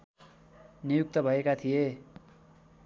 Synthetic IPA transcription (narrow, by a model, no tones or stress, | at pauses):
nijuk̚t̪ʌbʱʌekat̪ʰije